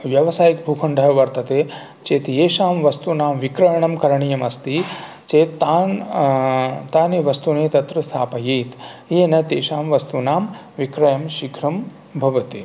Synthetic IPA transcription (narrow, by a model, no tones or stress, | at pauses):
ʋjɐʋɐsaːjikbʱuːkʰɐɳɖʱɐɦɐʋɐɾt̪ɐt̪eː | t͡ʃeːt̪jeːʃaːmʋɐst̪unaːmʋikɾɐjɐɳɐmkɐɾɐɳijɐmɐst̪i | t͡ʃeːt̪ːaːn | t̪aːneʋɐst̪uneːt̪ɐt̪ɾɐst̪ʰaːpɐjeːt̪ | eːnɐt̪eːʃaːmʋɐst̪unaːm | ʋikɾɐjɐmʃikʰɾɐm | bʱɐʋɐt̪i